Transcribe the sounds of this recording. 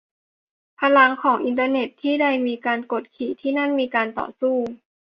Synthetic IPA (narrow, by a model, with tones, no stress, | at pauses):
pʰa˧la˧ŋkʰɔː˩˦ŋʔi˧nt̪əː˧ne˨˩t̪ʰːiː˥˩da˥˩jmiː˧kaː˧nko˨˩t̪̚kʰiː˨˩t̪ʰiː˥˩na˥˩˨nmiː˧kaː˧nt̪ɔ̰ː˨˩suː˥˩